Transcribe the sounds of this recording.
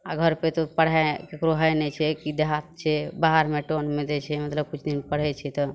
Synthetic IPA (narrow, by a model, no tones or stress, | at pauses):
aɡʱəɾpet̪opəɽ̤akekɾoɦəjnɛt͡ʃʰɛkid̪eɦat̪̚t͡ʃʰɛbaɦəɾmeʈonmed̪ɛt͡ʃʰɛmət̪ləb̚kut͡ʃʰd̪inpəɽ̤ɛt͡ʃʰɛt̪ɔ